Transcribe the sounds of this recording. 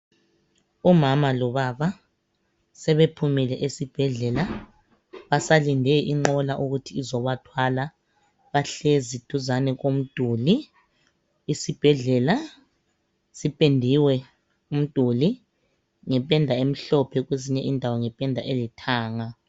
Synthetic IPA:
umamalɔβaβa | sɛβepʰumɛlɛʔesib̥ʱɛɮɛla | βasalindʱɛʔiŋ͡ǃɔlaʔuɣutʰiːzɔβatʰwala | βaɬezid̥ʱuzanɛɣom̩d̥ʱuːli | sib̥ʱɛɮɛla | sipʼendʱiwɛ | um̩d̥ʱuli | ŋɛpʼɛndʱaem̩ɬɔpʰɛɣweziɲɛʔindʱawɔŋɛpʼɛndʱaʔelitʰaːŋa

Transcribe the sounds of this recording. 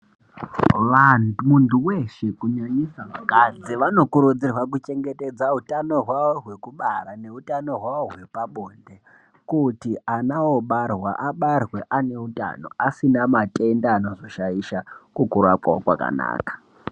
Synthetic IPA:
ʋanmuntuweʃekuɲaɲisaʋakad͡ziʋano̞kuɾud͡zirwakut͡ʃe̞ŋɡe̞te̞d͡zautano̞ɦwaʋoɦwe̞kuɓarane̞ɦutano̞ɦwaʋoɦwe̞paɓoːnde | kutianao̞ɓarwa̰ʔaɓarwe̞ʔane̞uta̰no̞̰asinamatʼe̞ndaːno̞zo̞ʃajiʃakukuɾapwa̰o̰kwa̰ka̰na̰ːkḁ

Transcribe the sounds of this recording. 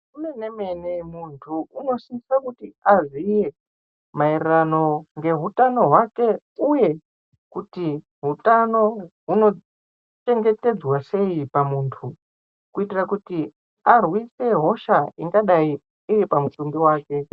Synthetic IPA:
unenemenemuntʰuuno̞siisakutiazije̞ | mairirano̞ŋɡe̞ɦutano̞ɦwake̞ | uje̞ | kuti | ɦutano̞ɦuno̞ | t͡ʃe̞ŋɡe̞te̞d͡zwase̞ipamuːntʰu | kuitirakuti | arwise̞ɦo̞ʃaiŋɡaɗai | ijepamutumbiwaːke̞

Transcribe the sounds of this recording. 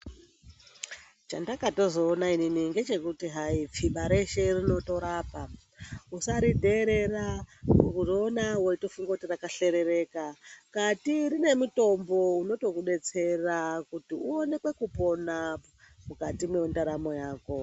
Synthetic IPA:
t͡ʃandakato̞zo̞ːnaininiŋɡe̞t͡ʃe̞kutiɦaip͡fiɓaɾe̞ʃe̞rino̞to̞ɾaːpa | usaɾidʱeɾe̞raukuronawoitofuŋɡakutirakaɬe̞ɾe̞re̞ːkakatirine̞muto̞mbo̞uno̞to̞kuɗe̞t͡se̞rakutiuone̞kwe̞kupo̞na | mukatimweundaɾamo̞jaːko̞

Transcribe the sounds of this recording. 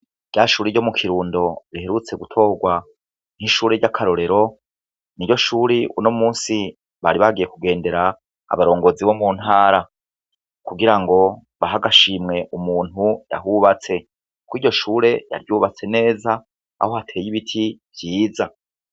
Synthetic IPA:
ɟaːʃuːɾeɟo̞mukʰiɾuːndo̞ɾie̞ɾut͡se̞ɡutʰo̞ːɡwa | n̥hiʃuːɾeɟakʰaɾo̞ɾe̞ɾo̞ | niɟo̞ʃuːɾiʔunomuːsi | βaɾiβaɡije̞kuɡe̞ːnde̞ɾa̰ː | βaɾo̞ːŋɡo̞ziβo̞mun̥haːɾa | kuɡiɾaŋɡo̞ | βaɦaɡaʃiːmŋe̞ʔumuːn̥huja̰ɦuβat͡se̞ | kwiːɟo̞ʃuːɾe̞ja̰ɾjuːβat͡se̞ne̞ːza | a̰ho̞hatʰe̞ːjiβitʰiv̥jiːza

